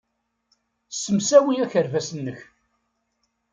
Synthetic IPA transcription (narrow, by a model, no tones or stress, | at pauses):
sːəmsæwəjæçəɾvæsənːəç